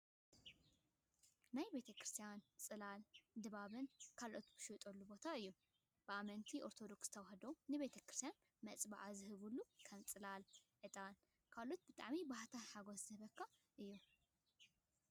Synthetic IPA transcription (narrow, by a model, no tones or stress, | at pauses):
najbe̞t̪ʰɐkɾɨst̪ʰijant͡sʼɨlald̪ɨβaβɨnkʰalʔo̞t̪b̥ɨʃɨt̪ʼolːubo̞t̪ʰaɨjːu | b̥ɨamɐnt̪ʰiʔo̞ɾt̪ʰo̞d̪o̞ksz̥ɨt̪ʰɐwaɦɐd̪onɨβe̞t̪ʰɐkɾɨst̪ijan | mɐt͡sʼbaʕazɨhɨβulːukʰɐmt͡sʼɨlalʕɨt̪ʼan | kʰalʔot̪̚bɨt̪ʼa̰ʕmibahat̪ʰaħaɡoszɨhɨβɐkʰːaʔɨjːu